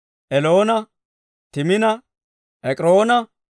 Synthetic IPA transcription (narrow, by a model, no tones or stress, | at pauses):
ʔɛlo̞ːnɐ | t̪ɪmɪnɐ | ʔɛkʼɾo̞ːnɐ